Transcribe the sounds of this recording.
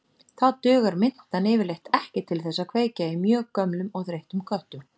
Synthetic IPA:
θaðt̪ʏːɣaɾmɪn̥t̪anɪːvɪɾlejht̪ɛhcɪt̪ʰɪlθɛsːakʰveːjcaimjœːɣkœmlʏmɔɣθɾejht̪ʏmkʰœht̪ʏm

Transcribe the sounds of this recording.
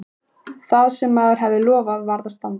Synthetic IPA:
θaðsɛmːaɣðaɾ̥ɦɛvðɪlɔːvavaɾðast̪ann

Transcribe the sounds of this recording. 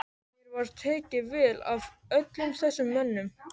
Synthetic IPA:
ɛɾvaɾ̥t̪ʰɛːcɪvɛːla̰vœt̪lʏmθɛsːʏmːœnːʏm

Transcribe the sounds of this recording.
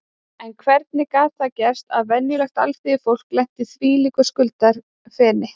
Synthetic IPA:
ɛnkʰvɛɾt̪̚nɪkaːð̥θacɛ̥st̪aðvɛnjʏlɛxt̪alfiɪfowl̥klɛm̥t̪ɪθviːliːkʏ̥skʏlt̪aɾ̥ | fɛːnːɪ

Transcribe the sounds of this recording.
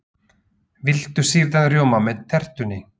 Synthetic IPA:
vɪl̥t̪ʏsiɾðanrjoːwmamɛðt̪ʰɛr̥t̪ʏnːɪ

